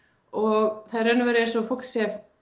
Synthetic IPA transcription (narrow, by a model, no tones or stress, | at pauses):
ɔɣθaðɾœnʏvɛːɾɪɛ̥sɔfɔk̪sɛv